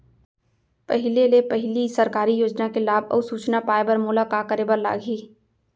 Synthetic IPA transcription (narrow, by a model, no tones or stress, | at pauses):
pɐɦɪlelepɐɦɪlisɐɾkaːɾijoːd͡ʒnakelaːbɔ̰ːsuːt͡ʃnapaːebəɾmoːlakaːkəɾeːbəɾla̰ːɡʱiː